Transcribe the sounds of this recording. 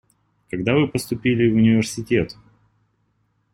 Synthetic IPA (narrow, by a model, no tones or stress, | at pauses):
kɐɡd̪avɨpəst̪ʊpʲilʲɪvʊnʲɪvʲɪrsʲɪtʲet̪